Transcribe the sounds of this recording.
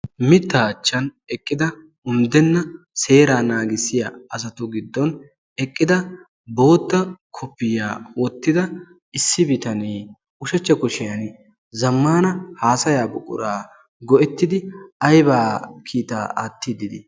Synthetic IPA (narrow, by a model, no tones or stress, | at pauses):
mɪt̪ːɐːt͡ʃːɐn | ɛkʼːɪd̪ɐ | ʊmd̪ɛnːɐ | se̞ːɾaːnaːɡɪsːɪjɐɐsɐt̪ʊɡɪd̪ːɔn | ɛkʼːɪd̪ɐ | bo̞ːt̪ːɐkʰɔpːɪja̰ːwɔt̪ːɪd̪ɐ | ɪsːɪbɪt̪ɐniː | ʊʃɐt͡ʃːɐkʊʃɪjɐn | zɐmːaːnɐhaːsɐjaːbʊkʼːʊ̰ɾaː | ɡɔʔɛt̪ːɪd̪ɪɐjbaːkʰiːt̪a̰ːʔa̰ːt̪ːɪd̪ɪd̪ɪ̰